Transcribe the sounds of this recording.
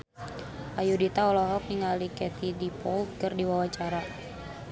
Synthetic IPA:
ʔajudit̪aɔlɔɦɔk̚niŋalikɛt̪idipɔlkərdiwawat͡ʃaɾa

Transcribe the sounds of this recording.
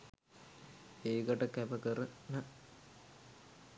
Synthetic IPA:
eːɡəʈəkæʋəkəɾəna

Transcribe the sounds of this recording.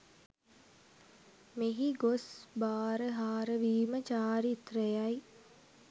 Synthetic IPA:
meɦiɡosbaːɾəɦaːɾəʋiːmət͡ʃaːɾit̪rəjaj

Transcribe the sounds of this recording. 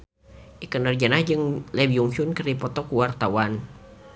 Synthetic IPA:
ʔikənərd͡ʒanahd͡ʒɨŋlɛbiuŋsunkɨrdipɔt̪ɔkuwart̪awan

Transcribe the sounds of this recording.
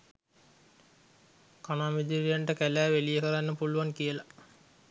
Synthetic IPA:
kanaːmid̪iɾijaɳʈəkælæːʋelijəkəɾanːəpuluʋankijəla

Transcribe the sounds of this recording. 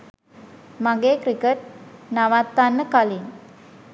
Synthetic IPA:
maɡeːkɾikəʈ̚naʋat̪ːanːəkalin

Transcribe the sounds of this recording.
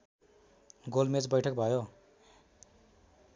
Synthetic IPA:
ɡolmet͡sbʌjʈʰʌk̚bʱʌjo

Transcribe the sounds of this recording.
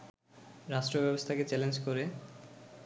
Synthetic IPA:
ɾaʃʈɾobɛbost̪ʰaket͡ɕɛlend͡ʑkoɾe

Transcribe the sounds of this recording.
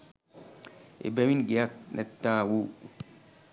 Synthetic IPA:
ḛbewinɡijaknɛtːaːwu

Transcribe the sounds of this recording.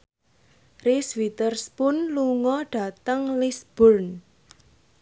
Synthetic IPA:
riswit̪ərspʊnluŋɔɖ̥ä̤t̪əŋlisb̥ɔrn

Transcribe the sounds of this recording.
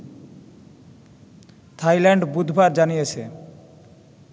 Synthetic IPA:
t̪ʰajlɛɳɖbud̪ʱbʱaɾd͡ʑanijet͡ɕʰḛ

